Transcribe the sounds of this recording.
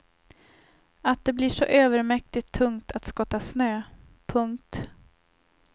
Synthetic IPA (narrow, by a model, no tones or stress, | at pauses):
at̪̚d̪ɛblɪʂɔʔøːvəɾmɛk̚t̪ɪt̪ʰːɵŋt̪ʰat̪skɔt̪ːasnøː | pʰɵŋk̚t̪